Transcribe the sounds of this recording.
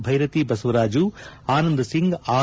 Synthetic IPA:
bʱɐjɾɐt̪ibɐsɐʋɐɾaːd͡ʒuaːnɐnd̪ɐsiŋɡaː

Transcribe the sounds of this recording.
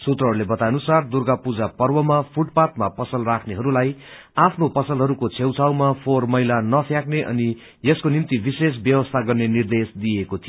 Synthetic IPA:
sut̪rʌɦʌɾulebʌt̪ajnusard̪urɡapud͡zapʌrwʌmapʰuʈpat̪̚mapʌsʌlrakʰneɦʌɾulaj | apʰnopʌsʌlɦʌɾukot͡sʰewt͡sʰawmapʰormʌjlanʌpʰjakneʔʌ̰ni | jʌskonimt̪ibises̬bjʌwʌst̪ʰaɡʌrnenird̪esd̪iekot̪ʰijo

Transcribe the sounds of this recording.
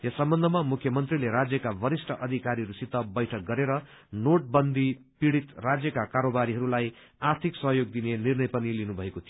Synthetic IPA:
jʌsʌmbʌnd̪ʱʌmamukʰːjʌmʌnt̪rileɾad͡zjʌkabʌɾisʈʰʌʔʌd̪ʱikaɾiɾusit̪ːʌbʌjʈʰʌk̚ɡʌɾeɾʌ | noʈ̚bʌnd̪ʱi | piɽit̪rad͡zjʌkakaɾobaɾiɦʌɾulaj | art̪ʰiksʌɦjoɡ̚d̪inenirnʌjpʌnilinubʱʌekot̪ʰi

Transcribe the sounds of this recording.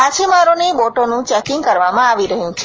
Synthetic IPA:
at͡ʃʰimaɾoneboʈonũt͡ʃɛkiŋɡkəɾʋamãaʋiɾəɦjũt͡ʃʰ

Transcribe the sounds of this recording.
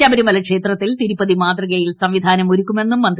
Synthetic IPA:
ɐbɐɾimɐlɐkʂe̞ːt̪rɐt̪ːilt̪iɾupːɐðimaːd̪rɐɣɐjilsɐmʋid̪ʱaːnɐmoɾukʲːume̞nːumːɐnd̪

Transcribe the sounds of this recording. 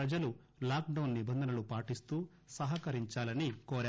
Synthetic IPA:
ɾɐd͡ʒɐlu | laːk̚ɖɐwnːibɐnd̪ʱɐnɐlupaːʈist̪uː | sɐɦɐkɐɾiɲt͡ʃaːlɐnikoːɾaː

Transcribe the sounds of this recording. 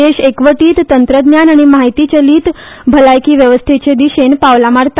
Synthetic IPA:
eʃekʋəʈiːt̪t̪ːənt̪ɾəd̪njanaɽ̃imaɦit̪it͡ɕəliːt̪ | bʱəlajkiʋjəʋəst̪ʰit͡ɕed̪iʃenpaʋlamaɾt̪a

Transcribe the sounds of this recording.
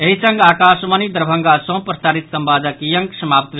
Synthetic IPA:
eɦisəŋɡakasmənid̪ɾbʱəŋɡasõpɾəsaːɾit̪səmbad͡zakijəŋksəmaːpt̪ʋ

